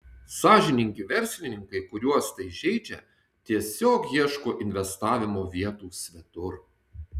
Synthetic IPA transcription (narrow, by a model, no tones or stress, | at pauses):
sɑːʒʲɪnʲɪŋʲkʲɪʋʲɛɾʲsʲlʲɪnʲɪŋkɐɪkʊɾʲuɔst̪ɐɪʒʲɛɪd͡ʒʲɛ̰ | t̪ʲiɛsʲoːkjiɛʃkoːʔɪnʲʋʲɛst̪ɑːʋʲɪmoːʋʲiɛt̪uːsʲʋʲɛt̪ʊɾ